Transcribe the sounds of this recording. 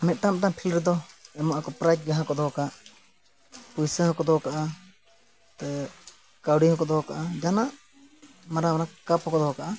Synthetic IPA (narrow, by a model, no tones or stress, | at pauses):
mɛt̪̚ˀʈam̚ʈapʰilɾɛd̪ɔɛmaʔakɔpɾajt̚ɡaɦãkɔd̪ɔkaʔ | pujsəɦɔkɔd̪ɔkaʔa | t̪ɛ | kawɖiɦɔkɔd̪ɔka̰ʔad͡ʒanaʔ | maɾamaɾakapɦɔkɔd̪ɔkaʔa